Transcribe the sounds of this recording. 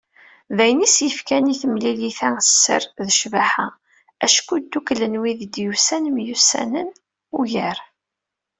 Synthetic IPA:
ðæjnisjəfkæniθəmliliθæsːə̰ɾðəʃvaħa | æʃkud̪ːuklənwiðd̪jusænmjusæ̰nən | ujəɾ

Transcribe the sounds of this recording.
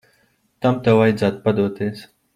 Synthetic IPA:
t̪amt̪awajd̪zaːt̪̚pad̪uɔt̪eːs

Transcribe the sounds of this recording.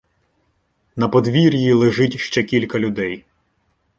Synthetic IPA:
nɐpɔd̪ʋʲiɾʲjilˠeʒɪtʲʃt͡ʃɛkʲilʲkɐlʲʊd̪ɛj

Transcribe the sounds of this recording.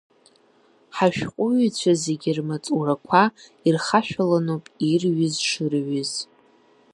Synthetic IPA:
ħaʃᶣqʷʼʊɥit͡ɕʷʰaze̞ɡʲirmat͡sʼurakʷʰairχaʃᶣalanopʼirɥɪzʂɨrɥɪz̥

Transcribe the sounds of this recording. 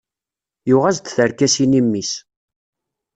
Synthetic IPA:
jʊʁæzd̪θəɾkæsinimːis

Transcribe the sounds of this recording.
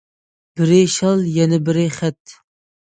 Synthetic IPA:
b̥ɪɾɪʃɑlˠjɛnɛbɪɾɪχæt̪

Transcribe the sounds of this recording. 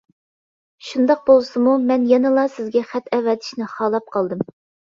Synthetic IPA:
ʃund̪ɑq̚bolˠsɨmumɛnjɛnɨlˠɑsɪzɡʲɛχæt̪ɛvɛt̪ʰɪ̥ʃnɪχɑːlˠɑp̚qʰɑlˠd̪ɨm

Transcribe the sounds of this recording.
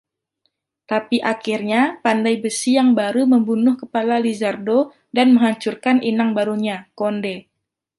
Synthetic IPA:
t̪apiʔakirɲapandajbəsijaŋbaɾuməmbunʊhkəpalalizardo | danməŋɦaɲt͡ʃurkanʔinaŋbaɾuɲakondɛ

